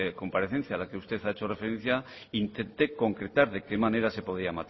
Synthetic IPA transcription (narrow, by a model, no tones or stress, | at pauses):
ko̞mpaɾeθen̟θjalake̞ust̪e̞θaet͡ʃo̞re̞feɾen̟θja | int̪e̞nt̪e̞ko̞ŋkɾe̞t̪aɾðe̞ke̞mane̞ɾase̞po̞ð̞iamat̪